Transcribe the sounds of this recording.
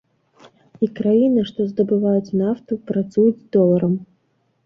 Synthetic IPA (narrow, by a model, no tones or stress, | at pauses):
ikɾajinɨʂt̪ɔzd̪ɐbɨvajut͡sʲnaft̪upɾat̪sujud͡zʲd̪ɔlˠɐɾɐm